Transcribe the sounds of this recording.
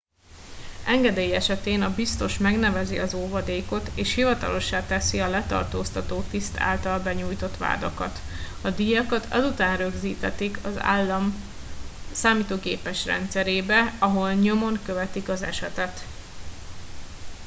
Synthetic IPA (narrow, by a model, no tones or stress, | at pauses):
ɛŋɡɛd̪eːjɛʃɛt̪eːnɒbist̪o̞ʃmɛɡnɛvɛziɒzoːvɒd̪eːko̞t̪eːʃhivɒt̪ɒ̰lo̞ʃːaːt̪ɛsiɒlɛt̪ɒ̰rt̪oːst̪ɒt̪oːt̪ist̪ʰa̰ːlt̪ɒlbɛɲuːjt̪o̞t̪ʋa̰ːd̪o̰kɒ̰t̪ | ɒd̪ijɒkɒt̪ʰɒ̰zut̪aːnrø̞ɡziːt̪ɛt̪ikʰɒzlm | saːmiːt̪oːɡeːpɛʃrɛ̰nt̪sɛɾeːbɛɒɦo̞lɲo̞mo̞ŋkøvɛt̪ikɒzɛ̰ʃɛt̪ɛt̪